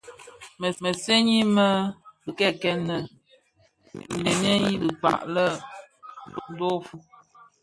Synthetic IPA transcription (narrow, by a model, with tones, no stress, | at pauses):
mə˨mə˨se˦ɲi˦mə˦bɨ˨kɛ˦kɛ˦nə˨ | le˨nja˦ji˦lɨ˨k͡pa̰˨ʔlə˦˨ | to˨ʔdo˦fu˦